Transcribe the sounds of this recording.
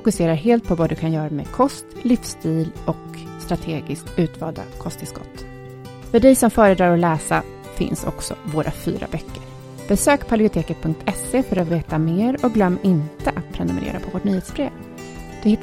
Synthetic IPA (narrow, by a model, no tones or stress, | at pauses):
fʊkɵseːɾaɾɦeːlt̪̚pʰɔvad̪ɵkʰanjœːɾamɛkʰɔst̪lɪfst̪ʰiːlɔkst̪ɾat̪ʰeːɡɪskt̪ʉ̟ːt̪vɑːld̪a̰kʰɔst̪ɪskɔ̰t̪ː | fœɖɛjsɔmfœːɾəd̪ɾɑːɾɔlɛːsa | fɪ̰nsɔ̰ksɔ̰voːɾʔa̰fy̰ːɾa̰bœkːəɾ | b̥ɛsøːkpʰablɪʊt̪ʰeːkət̪̚pʰɵŋk̚t̪ʰɛseːfœɾat̪veːt̪ameːɾɔk̚ɡlœmːɪnt̪əʔat̪̚pʰɾɛnɵmɛ̰ɾḛːɾa̰pʰɔvoːʈɳyːheːt̪sbɾeːv | d̪̥ɵhɪt̪ː